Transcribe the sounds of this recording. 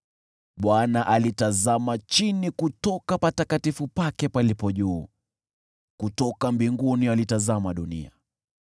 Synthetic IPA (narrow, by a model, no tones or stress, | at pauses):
ɓwanaʔalitazamat͡ʃinikutɔkapatakatifupakɛpalipɔʄuː | kutɔkambiŋɡunialitazamaɗunḭa̰